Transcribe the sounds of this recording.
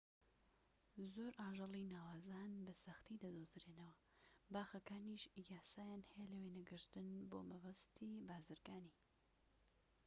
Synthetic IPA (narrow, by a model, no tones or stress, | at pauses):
zoːɾaːʒɑlˠinaːwaːzanbɐsɐxt̪id̪ɐd̪oːzɾeːnɐwɐ | baːxɐkaːniʃjaːsaːjaːnhɛjɛlɐwenɐɡɨɾt̪ɨnboːmɐbɐst̪ʰiːbaːzɨɾɡaːniː